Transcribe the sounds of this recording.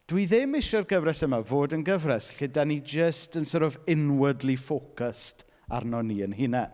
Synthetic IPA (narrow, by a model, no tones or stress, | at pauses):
d̥wiðemɪʃɔrɡəvrɛsəmavoːdənɡəvrɛsɬɪdanid͡ʒəstənsɔɾɔvɪnwədlifoːkəst | a̰rnɔniənhɨnɛ